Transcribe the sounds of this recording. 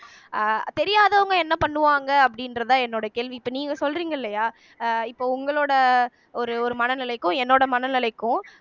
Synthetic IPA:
t̪ɛɾɪjaːðɐʋʊŋɡɐɛnːɐpɐɳːɯʋaːŋɡɐɐp̬ːɐɽɪndɾɐðãːɛnːoːɽɐkeːɭʋipːɐːniːŋɡɐsɔlriːŋɡɐɪlːɐjaː | ɪpːoːʊŋɡɐɭoːɽɐ | ɔɾɯɔɾɯmɐnɐnɪlɐɪkːʊ̃ɛnːoːɽɐmɐnɐnɪlɐɪkːʊ̃

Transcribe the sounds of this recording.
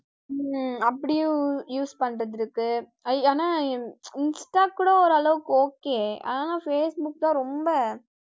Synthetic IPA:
ɐpːɐɽɪj̃ʊ̃juːspɐɳːɾɐðɪɾɯkːɯ | ɐaːnaːɪnsʈaːkːuːɽɐɔɾɐlɐʋɯkːɯoːkːeːʔa̰ːnaːnãːfeːsbʊkːt̪ãːɾɔmbɐ

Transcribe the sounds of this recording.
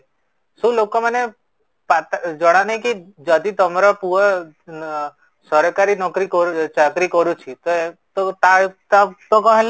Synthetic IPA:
sũlokomane | pat̪d͡ʒəɽ̃anɦikid͡ʒəd̪ʱit̪əmaɾɔpuə | səɾkaɾinɔkɾikɔɾt͡ʃakɾikɔɾũt͡ʃʰit̪oet̪ot̪at̪at̪okɔ̃ɦɛ̃l

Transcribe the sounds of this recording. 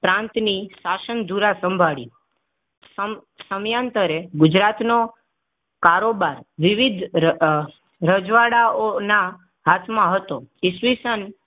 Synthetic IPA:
pɾãnt̪nisasənd̪ʱuɾasəmbʱaɭḭ | sə | səmjãnt̪əɾeɡʊd͡ʒɾat̪no | kaɾobaɾʋɪʋid̪ʱ | ɾəd͡ʒʋaɽaona | ɦat̪ʰmãɦət̪oɪsʋisən

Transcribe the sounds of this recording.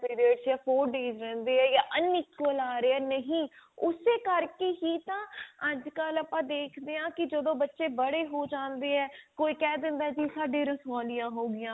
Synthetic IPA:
piːɾiəɖsjaːpʰoːɾɖeːzɾɛ̃ːnd̪eːɛːjaːʔənɪkəlaːɾeɛːnəɦĩːʊseːkəɾkeːɦiːt̪ãːəd͡ʒkələpãːd̪eːkʰd̪eːãːkɪd͡ʒəd̪õːbətːʃeːbəɽeːɦoːd͡ʒãːnd̪eːɛːkoːiːkɛːd̪ɪ̃nd̪aːɛd͡ʒiːsaːɖẽːɾəsʋaːlɪjãːɦoːɡɪjãː

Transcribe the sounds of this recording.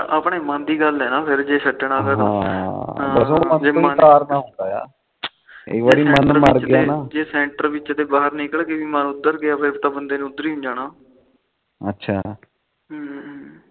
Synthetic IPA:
əpɳeːmãːnd̪iːɡəlɦɛːnaːpʰɪɾd͡ʒeːsəʈːnãːpʰɪɾɦã | bəsoːmənd͡ʒeːmə̃aːɾnãːɦõːnd̪aːja̰ː | ɪ̰kʋaːɾiːmənəɾməɾt͡ʃɡ̪aːnãːd͡ʒeːsɛ̃ːɳʈəɾʋɪt͡ʃt̪eːbaːɦəɾnɪkəɭkeʋiːmənʊd̪əɾkeaːpʰɪɾt̪ãːbənd̪eːnːʊd̪əɾiːɦʊ̃ɲd͡ʒaːnaː | ətːʃʰaː | ɦ

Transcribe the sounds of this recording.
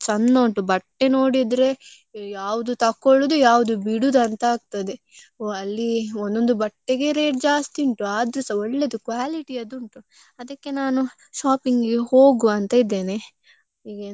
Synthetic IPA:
t͡ʃɐnːoːɳʈubɐʈːe̞no̞ːɽid̪ɾe̞ | jaːʋud̪ut̪ɐkːoɭud̪ujaːʋud̪ubiɽud̪ɐnt̪ɐaːɡ̚t̪ɐd̪e̞ | oɐlːiond̪o̞nd̪ubɐʈːeɡe̞ɾe̞ːʈ̚d͡ʒaːst̪iɳʈuaːd̪ɾusɐɔɭːed̪ukʋaːliʈiɐd̪uɳʈu | ɐd̪ɐkːe̞naːnu | ʃaːpiŋɡɡeho̞ːɡuɐnt̪ɐid̪ːe̞ːne̞ | iːɡe

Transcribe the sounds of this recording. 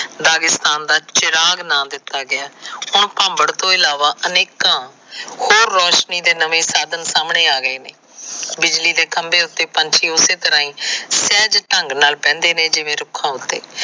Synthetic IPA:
d̪aːɡɪst̪aːnd̪aːt͡ʃɪɾaːɡnãːd̪ɪt̪ːaːɡɪaːhʊɳpãːmbəɽt̪õːɪlaːʋaːʔəneːkãː | hoːɾːɔːʃniːd̪eːnəʋẽːsaːd̪ənsaːmɳeːaːɡəeːneː | bɪd͡ʒliːd̪eːkəmbeːʊt̪ːeːpəɲt͡ʃiːʊseːt̪əɾãːĩːsɛːd͡ʒʈəŋɡnaːlpɛ̃ːnd̪eːneːd͡ʒɪʋẽːɾʊkʰãːɦʊt̪ːḛː

